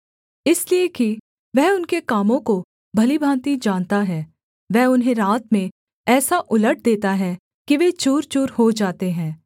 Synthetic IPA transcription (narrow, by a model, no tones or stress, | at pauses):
ɪslieki | ʋɛɦʊnkekaːmõko | bʱɐlibʱãːnt̪id͡ʒãːnt̪aɦɛː | ʋɛːʊnɦẽɾaːt̪mẽ | ɛːsaʔʊləʈ̚ʰd̪eːt̪aɦɛ | kiʋet͡ʃuːɾt͡ʃuːɾɦod͡ʒaːt̪eɦɛ̃ː